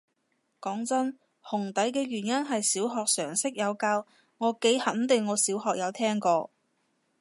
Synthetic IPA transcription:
kɔː˨˥ŋt͡sɐ˥n | hʊ˨˩ŋt̪ɐ˨˥jkɛː˧ɥyː˨˩njɐ˥nɦɐ˨jsiː˨˥wɦɔː˨˧k̚sœː˨˩ŋsɪ˥k̚jɐ˨˧wkaː˧w | ŋɔː˨˧˥ke˨˥jhɐ˨˥nt̪ɪ˨ŋːɔː˨˧siː˨˥wɦɔː˨k̚jɐ˨˧wt̪ʰɛː˥ŋkɔː˧

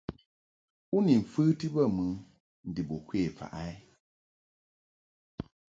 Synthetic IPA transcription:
u˦ni˨ɱ̩˨fɨ˦ti˦ba˦˨mɨ˨ŋ | n̩˨di˨bo˨kʷwe˦˨fa̰˨ʔa˦ɪ˦

